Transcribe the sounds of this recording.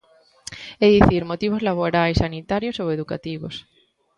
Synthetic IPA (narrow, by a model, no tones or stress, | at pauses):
eðiθiɾmot̪iβ̞ozlaβ̞oɾajsːanit̪aɾjosoweðuka̰t̪iβo̰s